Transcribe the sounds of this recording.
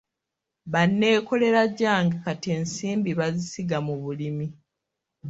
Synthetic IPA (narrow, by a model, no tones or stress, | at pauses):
βanːe̞ːko̞le̞ɾaɟːaːŋɡekatieːnsiːmbiβazisiɡamuβulimi